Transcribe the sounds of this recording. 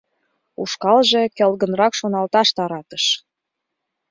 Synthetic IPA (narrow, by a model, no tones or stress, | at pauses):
ṵʃkɑlʒekelɣə̆nrɑkʃonɑlt̪ɑʃt̪ɑɾɑt̪ə̥ʃ